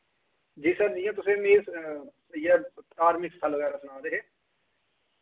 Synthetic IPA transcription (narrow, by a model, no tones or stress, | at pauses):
d͡ʒiːsəɾd͡ʒɪjãːt̪ʊsẽːmeːs | jeaːɾmɪkst̪ʰəlːəɣɛːɾaːsʊnaːd̪eɦeː